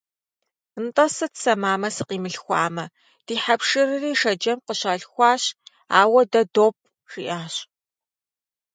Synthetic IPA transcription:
ɨntʼɐsɨtsɐmaːmɐsɨqiːmɨɬxʷɑ̰ːmɐ | d̥iːħapʂɨrɨriːʂɐd͡ʒɐmqəɕaːɬxʷɑːɕ | aːwɐdɐdoːp̚ʰʼ | ʂḭʔaːɕ

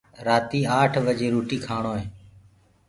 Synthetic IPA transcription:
ɾaːt̪iːaːʈʰʋəd͡ʒeːɾuːʈiːkʰaːɳoːɦẽː

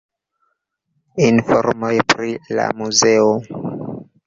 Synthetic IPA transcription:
infoɾmojpɾila̰muzeo

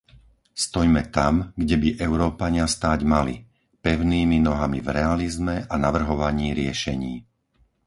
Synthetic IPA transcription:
st̪ɔjmɛt̪amɡɟɛbiʔɛʊɾɔːpaɲɪast̪aːɟmalḭ | pɛʊniːminɔɦamḭvɾɛalizmɛʔanaʋr̩ɦɔʋaɲiːɾɪɛʃɛɲiː

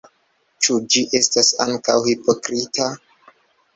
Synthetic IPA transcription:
t͡ʃud͡ʒiʔe̞stasaŋkawhipo̞kɾita

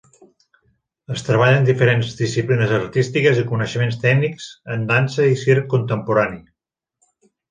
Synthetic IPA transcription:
əst̪ɾəβaʎənd̪ifəɾenzðisiplinəzəɾt̪ist̪ikəzikunəʃəmenst̪ɛɡnikz̥ənd̪ansəisirkːunt̪əmpuɾani

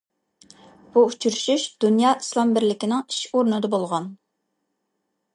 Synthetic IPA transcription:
b̥uut͡ʃʰyɾyʃyʃd̪̥unjɑːʔi̥slˠɑmbɪɾlɪkʲɪnɪŋi̥ʃoɾnɨd̪ɑbolˠʁɑn

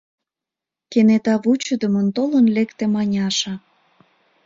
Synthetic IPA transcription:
kenet̪ɑβut͡ɕəd̪əmə̆nt̪olənlekt̪emɑnʲɑʃɑ

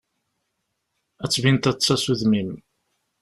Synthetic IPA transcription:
æt͡sːvint̪æt͡sːæsuðmim

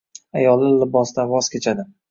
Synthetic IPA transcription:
ajɒlˠɪlɪbɒsd̪avɒz̥kʲet͡ʃʰad̪ɪ

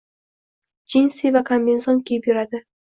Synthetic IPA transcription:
d͡ʒinsivakʰambensonkʲʰejɪpjʊɾad̪ɪ

